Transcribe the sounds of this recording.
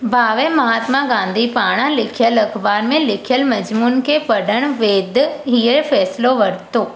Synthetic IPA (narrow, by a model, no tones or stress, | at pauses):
bʱaːʋemɐɦaːt̪mãɡãːnd̪ʱipaːɽ̃ãlɪkʰijəlɐkʰbaːɾmẽlɪkʰijəlmɐd͡ʑmuːnkʰepɐɖʱəɽ̃ʋeːd̪ʱɦiːəfɛːsloʋɐɽt̪oː